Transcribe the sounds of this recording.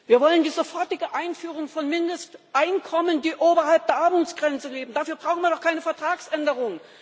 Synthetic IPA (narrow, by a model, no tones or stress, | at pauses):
viːɐvɔləndiːzofɔɐtɪɡəʔaɪnfyːʁʊŋfɔnmɪndəstʔaɪnkʰɔməndiːʔoːbɐhalp̚d̥eːɐʔaɐmuːt͡sɡ̥ʁɛnt͡səleːbm̩daːfyːɐbʁaʊxn̩viːɐdɔχkʰaɪnəfɛɐtʁ̥aːksʔɛndəʁ̞ʊŋ